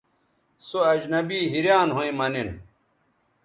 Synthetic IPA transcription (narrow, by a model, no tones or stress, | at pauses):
soɐd͡ʑnɐbiːɦiɾjaːnɦoĩmɐnin